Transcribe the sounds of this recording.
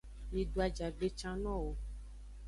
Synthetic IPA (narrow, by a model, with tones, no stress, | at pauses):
mĩ˨ɖo˨˦a˨d͡ʒa˨ɖe˦t͡ʃã˦nɔ̃˦wo˨